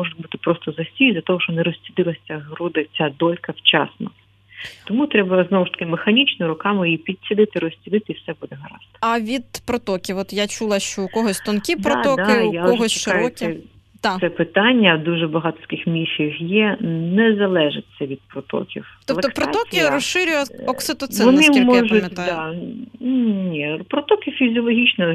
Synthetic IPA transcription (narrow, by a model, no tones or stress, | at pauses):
mɔʐʊt̪ʲbut̪ɪ̥pɾɔst̪ɔzɐsʲijzʲlʲɐt̪ɔɦɔʃt͡ʃɔnɛɾɔsʲt͡sʲid̪ɪlˠɐsʲɐɦɾud̪ɪt͡sʲad̪ɔlʲkɐwt͡ʃɑ̰snɐ̰ | t̪ɔmut̪ɾɛbɐznɔwʊʃt̪ɐ̥kɪmexɐnʲit͡ʃnɪɾʊkɑmɪjipʲid̪̚ʲsʲid̪ɪt̪ɪɾɔsʲt͡sʲɪd̪ɪt̪ɪiwsɛbud̪ɛɦɐɾɑ̰t̪ɪ̥ɐʋʲid̪̥pɾɔt̪ɔkʲiwɔt̪jat͡ʃulˠɐʃt͡ʃɔʊkɔɦɔsʲt̪ɔnkʲidpɾɔat̪ɔɔkd̪aɪjaɔʒɦɔst͡ʃɪʃkɑjɔɐ | t̪asɛpɪt̪ɑnʲːɐd̪uʒɛbɐɦɑt̪ɔ̥t̪kɪxmʲiʃʲixjɛnɛzɐlˠɛʒɪt͡sʲːɐʋʲid̪̥̚pɾɔt̪ɔ̰kʲḭwt̪ɔp̪lˠɐt̪ɔpɾɔɔkʲɪɾɔsʃɪɾʲʊjɐɔksɪt̪ɔt̪sɛʋɔnɪimːɔʒʊmʲdd̪a | nʲipɾɔt̪ɔkʲɪfʲizʲɔlˠɔɦʲit͡ʃnɔ